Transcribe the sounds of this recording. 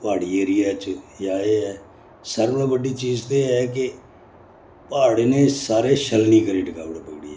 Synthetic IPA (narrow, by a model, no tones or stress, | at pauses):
paːɽiːeːɾɪjaːt͡ʃjaːeːɛː | səɾbnãːbəɖiːt͡ʃiːzt̪oeɦɛːk̬e | paːɽeneːsaːɾeːʃəlniːkəɾiːɖɪkaːbəɽpəɡɽḭːɛː